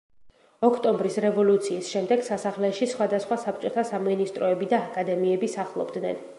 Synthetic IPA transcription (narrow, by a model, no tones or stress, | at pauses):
ɔkʰt̪ʼɔmbɾisɾɛvɔlut̪sʰiːsʃɛmd̪ɛɡ̥sasaχlɛʃisχwad̪asχwasap̚ʰt͡ʃʼɔt̪ʰasaminist̪ʼɾɔɛbid̪aːkʼad̪ɛmiɛbisaχlˠɔ̰bd̪nɛ̰n